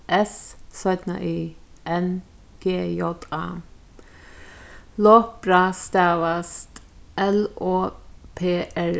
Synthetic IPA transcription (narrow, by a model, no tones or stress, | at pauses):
ʔɛssœʏt̪nə̰ʔiː | ʔɛn | ɡ̥eːjɔt̪ɑ̰ː | loːkb̥ɾɑːst̪æːʋəst̪ | ʔɛloːpʰeːʔæɹ